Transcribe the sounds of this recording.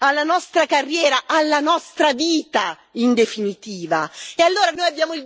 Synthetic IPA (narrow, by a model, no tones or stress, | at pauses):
alːanɔst̪ɾakarːjɛːɾaʔalːanɔst̪ɾaviːt̪a | ind̪efinit̪iːvaealːoːɾanoːjabjaːmoil